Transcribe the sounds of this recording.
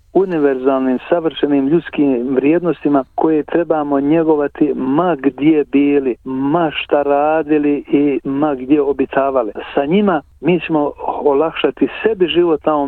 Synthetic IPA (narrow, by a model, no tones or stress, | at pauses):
uniʋe̞ɾzaːlniːmsaʋr̩ʃeniːmʎut̪skiːmʋɾjeːd̪no̞st̪imakʰo̞jet̪ɾe̞baːmo̞ɲeɡo̞ʋat̪imaɡd̪jebiːlimaʃt̪aɾaːd̪iliimaɡd̪je̞obit̪ʰaːʋalisaɲima | miːt͡ɕemo̞olakʃat̪ise̞biʒiʋot̪nao